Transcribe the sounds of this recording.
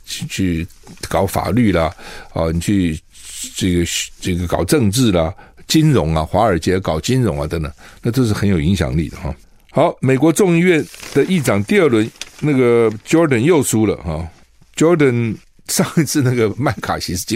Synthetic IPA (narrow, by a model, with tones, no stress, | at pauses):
t͡ɕʰy˥˩kɑ˨˥ʊfa̰˨˩ly˥˩lɐ˩ɐ˥˧ni˨˩t͡ɕʰy˥˧ | ʈ͡ʂə˥˩ɡə˩ʈ͡ʂə˥˩ɡə˩kɑ˨˩ʊʈ͡ʂɤ˥˧ŋʈ͡ʂɻ̩˥˩lɐ˩t͡ɕi˥nɻʊ˧˥ŋɐ˧xwa˧˥ə˞˨˩t͡ɕjɛ˧˥˧kɑ˨˩ʊt͡ɕi˥nɻʊ̰˧˥ŋɐ˧t̪ə˧˦ŋt̪ə̰˨˩ŋna˥˧ʈ͡ʂo˥˧ʊʂ̬ɻ̩˥˩xə˧˥njo˨˩ʊi˧˥ŋɕjɑ̰˨˩ŋli˥˩d̪ə̰˩xɑ̰˥˩ | xɑ˧˥ʊme˨˩ɪkwɔ˧˥ʈ͡ʂʊ˥˧ŋi˥˧ɥɛ˥˩nd̪̥ə˨i˥˩ʈ͡ʂɑ˨˩ŋt̪i˥˧ə˥˩lwə˧˥nna˥˩ɡə˩t͡ɕjo˧˥d̪ə˨˩njo˥˩ʊʂu˥lə̰˨xɑ˥˩ | t͡ɕjɔ˧˥d̪ə˨˩n | ʂɑ˥˧ŋ˧t͡sʰɹ̩˥˧na˥˩ɡə˩ma˥˩ɪkʰa̰˨˩ɕi˧˥ʂ̩˥˧˥